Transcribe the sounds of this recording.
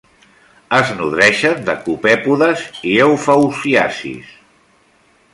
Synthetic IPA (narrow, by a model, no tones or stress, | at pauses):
əznuðɾɛʃənd̪əkupɛpuðəziewfawsiasḭs